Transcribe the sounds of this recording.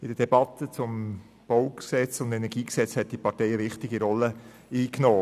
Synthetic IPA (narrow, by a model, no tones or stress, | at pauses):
ɪd̥əd̥ɛbɑt̪ət͡sʊm | b̥ɔʊksɛt͡sʊndɛnɛɾɡiːksɛt͡shɛt̚d̥ipɑtɛɪəvɪχtɪɡiɾɔlːə | iːknoː